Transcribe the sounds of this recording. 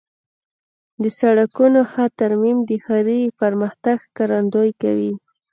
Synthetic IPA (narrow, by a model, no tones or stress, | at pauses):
d̪əsaɽakunoxat̪aɾmimd̪əxaɾipaɾmaxt̪aɡkaɾand̪ojka̰wi